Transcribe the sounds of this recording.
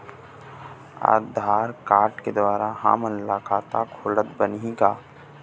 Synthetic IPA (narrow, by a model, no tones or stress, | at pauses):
a̰ːd̪ʱaːɾkaːɾʈked̪waːɾaɦã̰ːmənlaːkʰaːt̪akʰoːlət̪bəniɡaː